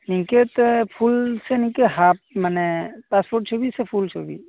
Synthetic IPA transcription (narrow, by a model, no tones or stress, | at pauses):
nĩket̪ɔpʰulsenĩkeɦap̚mənepaspoɾʈ̚t͡ʃʰobisepʰult͡ʃʰobḭ